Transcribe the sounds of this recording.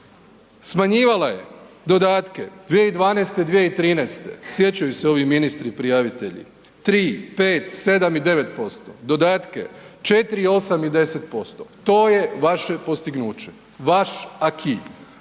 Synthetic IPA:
smaɲiːʋalaje̞̰ | d̪o̞d̪aːt̪ke̞̰d̪̥ʋjeid̪ʋaːnest̪ed̪ʋjeit̪ɾiːnɛst̪e̞̰sje̞t͡ɕajuseo̞ʋiminist̪ɾipɾijaʋit̪e̞ʎḭ | t̪ɾiːpeːt̪se̞d̪amid̪e̞ʋe̞t̪po̞st̪o̞̰d̪o̞d̪aːt̪ke̞̰t͡ʃet̪ɾio̞samid̪e̞set̪̚po̞st̪ot̪o̞ːje̞ʋaʃe̞po̞st̪iɡnuːt͡ɕe̞̥ | ʋaʃakʰi

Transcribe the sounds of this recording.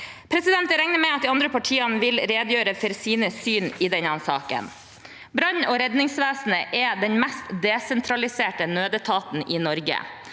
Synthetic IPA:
pʰɾɛsɪd̪ɛnt̪əɾɛŋnəmɛɪɑt̪̚d̪iːɑnd̪ɾəpʰɑʈʰiːɑnəʋɪlɾeːd̪jøːɾəfɔɾsiːnəsyːnɪːd̪ɛɲɑnsɑ̰ːkə̰n | bɾɑɲoːɾɛd̪nɪŋsʋeːsn̩əʔɛd̪ɛɲmɛst̪d̪ɛsɛnt̪ʰɾɑlɪseːʈənøːd̪ət̪ʰɑːt̪n̩ʔɪːnɔɾɡə̰

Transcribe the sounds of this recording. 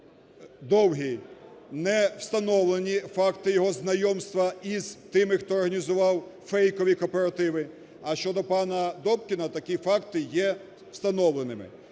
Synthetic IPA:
d̪ɔwɦʲinɛwst̪ɐnɔwlˠenʲifɑkt̪ɪjɔɦɔznɐjɔmst̪ʋɐizt̪ɪmɪxt̪ɔːrɦɐnʲizʊʋɑwfɛjkɔʋʲikɔpeɾɐt̪ɪʋɪ | ɐʃt͡ʃɔd̪ɔpɑnɐd̪ɔp̚kʲɪnɐt̪ɐkʲifɑkt̪ɪjɛ | w̥st̪ɐnɔʋlˠenɪmɪ̰

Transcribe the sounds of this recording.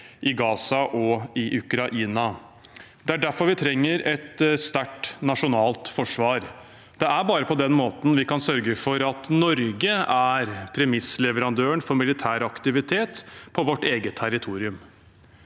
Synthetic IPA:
ʔɪɡɑːsɑʔɔɪʔʉkɾɑʔiːnɑ | d̪ɛæɖæɾfɔɾʋɪt̪ʰɾɛŋːəɾɛt̪st̪æʈnɑʂʊnɑːlt̪fɔʂʋɑːɾ | d̪̥ɛæɾbɑːɾəpʰɔd̪ɛnmoːt̪n̩ʋɪkɑnsœɾɡəfɔɾɑt̪nɔɾɡəæɾpʰɾɛmɪslɛʋəɾɑnd̪øːəɳfɔɾmɪlɪt̪ʰæːɾɑkt̪ɪʋɪt̪ʰeːt̪pʰɔʋɔʈːeːɡət̪ʰːæɾɪt̪ʰuːɾɪʉm

